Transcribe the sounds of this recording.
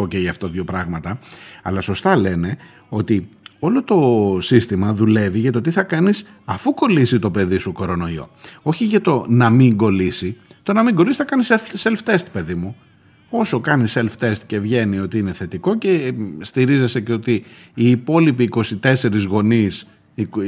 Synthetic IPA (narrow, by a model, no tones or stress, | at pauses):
oceʝɐft̪oðʝo̞pɾɐɣmɐt̪ɐɐlɐso̞st̪ɐle̞ne̞ | o̞t̪io̞lo̞t̪o̞sist̪imɐðule̞viʝɐt̪o̞t̪iθɐkɐnis | ɐfuko̞lisit̪o̞pe̞ðisuko̞ɾo̞no̞io̞̰o̞çiʝɐt̪o̞nɐmiŋɡo̞lisit̪o̞nɐmiɡo̞lisi̥θɐkɐnisefselft̪e̞st̪pe̞ðimu | o̞so̞kɐniselft̪e̞st̪ce̞vʝe̞nio̞t̪iine̞θe̞t̪iko̞ce̞st̪iɾize̞se̞ceo̞t̪iː | po̞lipiːko̞sit̪e̞se̞ɾizɣo̞nis | i